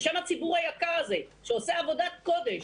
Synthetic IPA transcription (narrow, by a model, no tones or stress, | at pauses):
ʃamhat͡sibuʁhajakaʁaze̞ʃeoseavo̞d̪at̪̚ko̞d̪e̞ʃ